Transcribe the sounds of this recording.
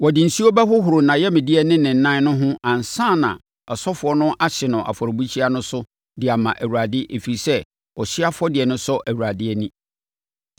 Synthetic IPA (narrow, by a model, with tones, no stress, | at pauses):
wɔ˨dɪ˨n̩˨si˦o˦bɛ˦hʊ˦ɦʊ˨ɾʊ˨nã˨jɛ˦mɪ̃˨dɪ˦ɛ˦nɪ̃˦nɪ̃˨n̩˨˦nã˦nʊ̃˦ɦʊ̃˦ʔã˨n̩˨sã˦˨nã̰˨ | ɔ˨sɔ˦fʊ˨ɔ˦nʊ̃˦a˦ɕɪ˨nʊ̃˨ʔa̰˨fɔ˨ɾbu˦t͡ɕʰi˦a˦nʊ̃˦sʊ˦ | dɪ˨a˨mã̰˨ʔæ˨wu˨a˨dɪ˦ʔe˨fi˨i˨sɛ˦ | ɔ˨ɕɪ˦a˦fʊ˦ɔ˦dɪ˨ɛ˨nʊ̃˦sɔ˦ʔæ˨wu˨ɾa˨dɪ˦ɛ˦nĩ˦